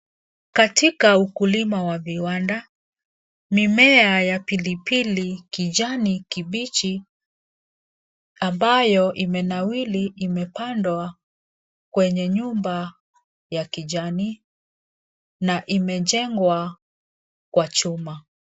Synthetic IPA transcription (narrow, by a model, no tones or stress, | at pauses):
katikaukulimawaviwanda | mimɛajapilipilikid͡ʒanikiɓit͡ʃi | ambajɔʔimɛnawiliʔːmɛpandwa | kwɛɲɛɲumba | jakiʄani | naʔimɛd͡ʒɛŋɡwa | kwat͡ʃuma